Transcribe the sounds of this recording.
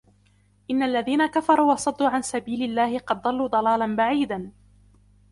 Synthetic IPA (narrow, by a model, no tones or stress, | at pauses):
ʔɪnːaʔlːaðiːnakafɑɾˤuːwɑsˤɑd̪ːuːʕansabiːlɪlːaːhɪqɑd̪̚ːˤɑlːuːd̪ˤɑlɑːlanbaʕiːd̪an